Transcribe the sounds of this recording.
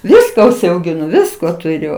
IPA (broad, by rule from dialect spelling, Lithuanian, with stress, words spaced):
ˈʋʲɪskɐ ʊʃʲsʲɛʊɡʲɪˈnʊ ˈʋʲɪskoː tʊˈrʲʊ